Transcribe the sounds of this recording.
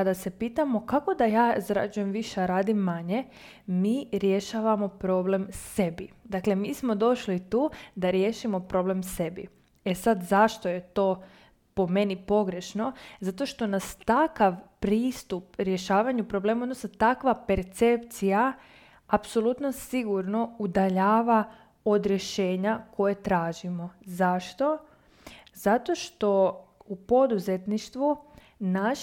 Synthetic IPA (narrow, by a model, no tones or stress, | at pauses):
ad̪ase̞piːt̪amo̞kako̞d̪ajaːzɾa̰d͡ʒuje̞mʋiʃeaɾaːd̪imːaɲe̞ | miːɾje̞ʃaʋamo̞pɾo̞ble̞mse̞bid̪akle̞miːsmo̞d̪o̞ʃlit̪uːd̪aɾjeʃimo̞pɾo̞ble̞mse̞bḭ | esad̪zaʃt̪o̞je̞t̪o̞ː | po̞me̞nipo̞ɡɾe̞ʃno̞zat̪o̞ʃt̪o̞nast̪akaʋpɾiːst̪upɾje̞ʃaːʋaɲupɾo̞ble̞ːmaod̪nosnat̪akʋape̞ɾt̪se̞pt̪sija | apsolˠut̪nosiɡuɾno̞ud̪aʎaːʋa | o̞d̪ɾje̞ʃe̞ːɲako̞jet̪ɾaːʒimo̞zaʃt̪o̞ | z̥at̪o̞ʃt̪o̞upo̞d̪uze̞t̪niʃt̪ʋu | naʃ